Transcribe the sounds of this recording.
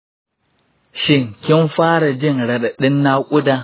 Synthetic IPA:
ʃɪ˦ŋkʲɪ˦nɸaː˦ɾa˨d͡ʒɪ˦˨nɾɐ˨ɗa˨ɗɪ˦nːa˦kʷʼʊ˦da˦

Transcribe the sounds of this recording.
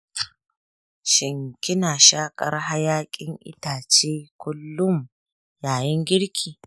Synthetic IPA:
ʃɪ˨ŋkʲɪ˦naː˨ʃaː˦kʼɐ˦ɾɦa˦jaː˦kʲʼɪ˦ŋʔɪ̰˦taː˨t͡ʃeː˦kʷʊ˦lːʊ˦m | jaː˨jɪ˦ŋɡʲɪ˦ɽkʲʰiː˨

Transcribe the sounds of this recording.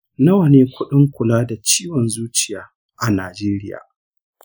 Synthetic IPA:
na˦wɐ˨neː˦kʷʊ˦ɗɪ˦ŋkʷʊ˨laː˦da˨t͡ʃiː˦wɔ˨nzuː˦t͡ʃɪ˨jaː˦ | ʔa˨naː˨d͡ʒeː˦ɾɪ˦ja̰ː˨

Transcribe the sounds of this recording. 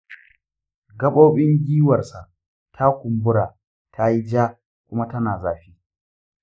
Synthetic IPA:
ɡɐ˦ɓo˦ɓɪ˦ŋɡʲiː˦wɐ˨rsa˨ʔ | tʰa˦kʷʊ˨mbʊ˦ɽaː˨ | tʰa˦ji˦d͡ʒaː˦ | kʷʊ˦ma˦tɐ˦naː˨zaː˨ɸiː˦

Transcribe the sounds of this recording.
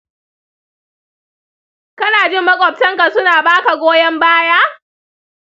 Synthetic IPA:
kɐ˦naː˨d͡ʒɪ˦mːɐ˦kʷʼɔ˨b̚tɐ˦ŋka˨sʊ˦naː˨baː˦ka˨ɡʷoː˦jɐ˦mbaː˦jaː˦

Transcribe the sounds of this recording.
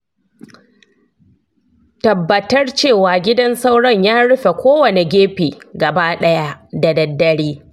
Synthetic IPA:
tɐ˨bːɐ˨tɐ˦rt͡ʃeː˦˨waː˨ɡʲɪ˦dɐ˦nsa˦wɽɐ˦ɲjaː˦ɽʊ˦ɸe˨kʷoː˦wɐ˨ne˨ɡʲeː˦ɸiː˨ɡɐ˨baː˦ɗɐ˦ja˦da˨dɐ˨dːɐ˦ɽiː˦

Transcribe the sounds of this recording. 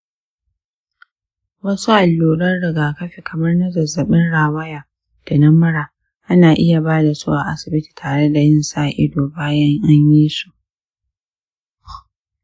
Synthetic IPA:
wɐ˦su˦ʔa˨lːuː˨ɽɐ˦nɽɪ˨ɡaː˨kɐ˦ɸe˨kʰɐ˨mɐ˦rnɐ˦zɐ˨zːɐ˨ɓɪ˦nɽaː˨wɐ˦jaː˨ | d̥a˨nɐ˦mɐ˦ɽaː˨ | ʔa˦naː˨ʔɪ˦ja˨baː˦da˨suː˦ʔa˨ʔa̰˦sɪ˨bɪ˦ti̥˨tʰaː˨ɽe˦da˨jɪ˦nsaː˨ʔɪ˦doː˨baː˦jɐ˦ŋʔa˦ɲjiː˦su̥˦ʔ

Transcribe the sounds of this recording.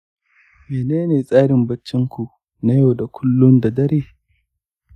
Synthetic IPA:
meː˨neː˦neː˨sʼaː˦ɽɪ˨mbɐ˦t͡ʃːɪ˦ŋkʷu˨ | na˦jo˨da˨kʷʰʊ˦lːʊ˦nda˨dɐ˦ɾeː˨

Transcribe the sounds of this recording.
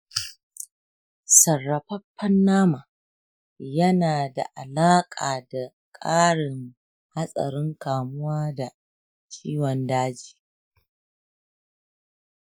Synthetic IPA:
sɐ˨rːɐ˨ɸɐ˦pːɐ˦nːaː˦maː˨ | jɐ˦naː˨da̰˨ʔa˨laː˦kʼaː˨da˨ | kʼaː˦ɽɪ˨ŋ | ha˦sʼɐ̰˨ɾɪ˦ŋkaː˨mʊ˦waː˦da˨ | t͡ʃʲʼiː˦wɔ˨ndaː˦d͡ʒi̥ː˨

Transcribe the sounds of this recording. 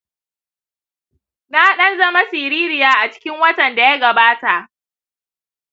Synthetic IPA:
na˦ɗɐ˦nzɐ˦ma˦sɪː˨ɾiː˦ɾɪ˨jaː˦ʔa˨t͡ʃɪ̥˦kʲɪ˦ŋwɐ˦tɐ˨nda˨ja˦ɡɐ˨baː˦ta˨ʔ

